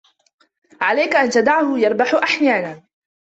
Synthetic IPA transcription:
ʕalajkaʔant̪ad̪aʕhʊjɑɾˤbaħʊʔaħjaːnaː

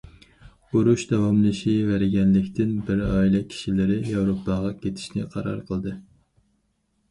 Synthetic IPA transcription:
oɾuʃd̪ɛwɑmlˠɨʃivæɾɡʲɛnlɪkʲt̪ʰɪnbɪɾɑːilˠɛkʲʰi̥ʃilɪɾɪjɛwɾopʰːɑʁɑkʲʰet̪ʰɪ̥ʃnɪ̰qʰɑɾɑ̰ɾqʰəlˠd̪ɨ

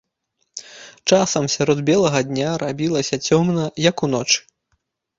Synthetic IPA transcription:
t͡ʂasɐmsʲaɾɔd̪bʲɛlˠɐɣɐd̪ʲnʲaɾabʲilˠɐsʲɐt͡sʲɔmnɐjɐkunɔt͡ʂɨ̥

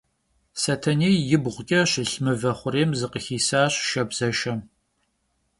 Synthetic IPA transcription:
sɐtʰɐnieːjɪbʁʷʊkʲʼɐɕɪɬmɨvɐχʷʊɾeːmzɨqəxiːsaːɕʃɐbz̥ɐʃɐm

